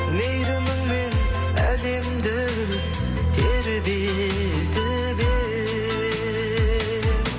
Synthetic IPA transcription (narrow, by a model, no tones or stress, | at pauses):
mejɾɪmɪŋmen | ælemd̪ɪ | t̪ʰeɾbe | d̪ɪ | be